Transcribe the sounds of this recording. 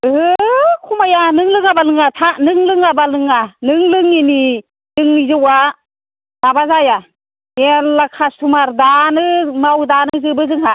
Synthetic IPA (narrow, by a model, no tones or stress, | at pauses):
ɯhɯkʰumajanɯŋlɯŋabalɯŋatʰanɯŋlɯŋabalɯŋanɯŋlɯŋini | dɯŋnizɔwa | nabazaja | enlakʰastʰumaɾdanɯmawdanɯzɯbɯzɯŋha